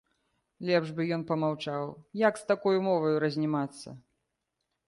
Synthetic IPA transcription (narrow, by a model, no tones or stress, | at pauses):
lʲɛbʐbɨjɔnpɐmawt͡ʂawjakst̪akɔjumɔvɐjuɾɐzʲnʲimat̪sːɐ̰